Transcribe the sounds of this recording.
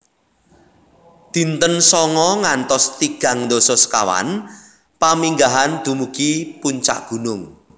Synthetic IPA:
d̪̥i̤nt̪ənsɔŋɔŋant̪ɔst̪iɡ̥ä̤ŋnd̪osɔska̰wa̰n | pamiŋɡaɦand̪̥ṳmuɡ̥ipuɲt͡ʃa̰ʔɡ̥ṳnʊŋ

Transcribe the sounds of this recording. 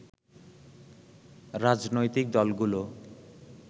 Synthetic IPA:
ɾad͡ʑnojt̪ik̚d̪ɔlɡulo

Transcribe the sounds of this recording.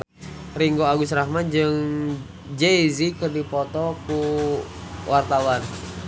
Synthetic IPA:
riŋɡoaɡusɾahmand͡ʒɨŋ | d͡ʒeizikərdipɔt̪ɔku | wʔart̪awan

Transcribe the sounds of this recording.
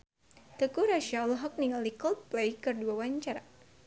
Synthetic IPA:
t̪əkuɾaʃalɦɔk̚niŋalikəlplejkərduawaɲt͡ʃaɾa

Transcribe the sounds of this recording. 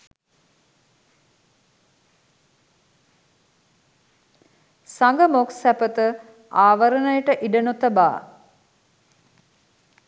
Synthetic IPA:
saŋɡəmoksæpət̪ə | aːʋəɾənəjəʈəʔiɖənot̪əba̰ː

